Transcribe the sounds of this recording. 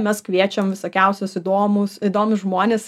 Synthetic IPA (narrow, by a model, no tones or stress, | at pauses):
mʲɛskʋʲiɛt͡ʃʲɛmʋʲɪsoːkʲɛʊsʲʊsɪd̪oːmʊsid̪oːmʊsʒmoːnʲeːs